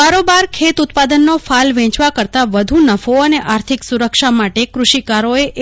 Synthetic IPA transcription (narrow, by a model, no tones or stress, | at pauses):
aɾobaɾkʰet̪ut̪pad̪ənːofalʋɛ̃t͡ʃʋakəɾt̪aʋəd̪ʱunəfoəneʔaɾt̪ʰiksuɾəkʃamaʈekɾuʃikaɾoeʔ